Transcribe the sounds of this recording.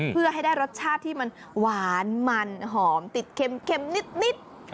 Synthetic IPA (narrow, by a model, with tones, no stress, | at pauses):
pʰɯ˥˩ɐɦa˥˩jdaː˥˩jɾo˦˥t̪̚t͡ɕʰaː˥˩t̪ʰːiː˥˩ma˧n | waaː˩˦nma˧nɦɔː˩˦mt̪i˨˩t̪̚kʰe˧mkʰe˧mni˦˥t̪̚ni˦˥t̪̚